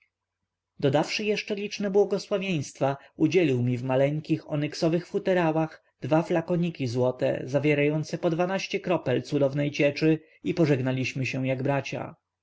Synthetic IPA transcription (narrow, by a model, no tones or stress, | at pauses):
d̪ɔd̪afʂɘjɛʂt͡ʂɛlʲit͡ʂnɛbwɔɡɔswavʲjej̃st̪fa | ud͡ʑɛlʲiwmʲivmalɛŋkʲixɔnɛksɔvɘxfut̪ɛɾawax | d̪vaflakɔɲikʲizwɔt̪ɛ̰zavʲjɛɾajɔnt̪sɛpɔd̪vanaɕt͡ɕɛkɾɔpɛlt̪sud̪ɔvnɛjt͡ɕɛt͡ʂɘ | ipɔʐɛɡnalʲiɕmɘɕɛw̃jaɡbɾat͡ɕa̰